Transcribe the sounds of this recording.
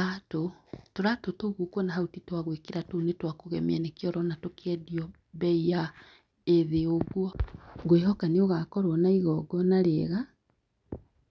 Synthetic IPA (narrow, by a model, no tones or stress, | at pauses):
atotoɾatotoɣokwɔnaɦautitwaɣwekeɾatonetwakoɣɛ̰mianekeɔɾɔnatokeɛdiɔ | bɛija | eðeoɣwɔɡweɦɔkaneoɣakɔɾwɔnaiɣɔɡɔnaɾeːɣa